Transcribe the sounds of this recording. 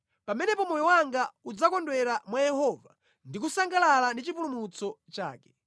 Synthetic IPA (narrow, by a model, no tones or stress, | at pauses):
pamɛnɛpɔmɔjɔwaŋɡaud͡zakɔndwɛɾamwajɛhɔva | ndik̬usaŋɡalalandit͡ʃip̬ulumut͡sɔt͡ʃa̰ːkɛ̥